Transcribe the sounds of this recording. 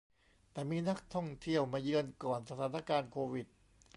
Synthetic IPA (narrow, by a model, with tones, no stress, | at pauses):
t̪ɛː˨˩miː˧na˦˥k̚t̪ʰɔ˥˩ŋt̪ʰi˥˩əwmaː˧jɯ˧ənkɔː˨˩nsa˧t̪ʰaː˩˦na˥˩kaː˧nkʰoː˧wi˨˩t̪̚